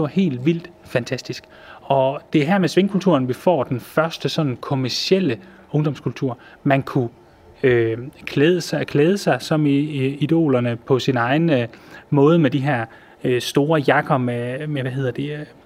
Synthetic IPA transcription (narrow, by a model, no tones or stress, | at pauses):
eʋɑ̈he̝̰ːld̥ʋil̰d̥fænt͡sʰæsd̥isɡ̥ | ɒ̽d̥e̝æɦæɐmesʋe̝ŋkʰult͡sʰuɐnʋifɒ̰ːd̥enfɶɐsd̥əsɒ̽n̰n̩kʰɔmæɐsiel̰ə | ɔ̽ŋd̥ɒ̽mskʰult͡sʰuɐ̰ | mænkʰu | økʰlɛːðˠəskʰlɛːð̞ˠəsɑ̈ɪsɒ̽mid̥o̝̰ːlɐnəpʰɒ̽sinɑ̈ɪnmɔ̽ːð̞ˠəmed̥iɦæɐ̰ | øsd̥o̝ːɐjɑ̈ɡ̥ɐmemeʋæɦe̝ð̞̰ˠɐd̥e̝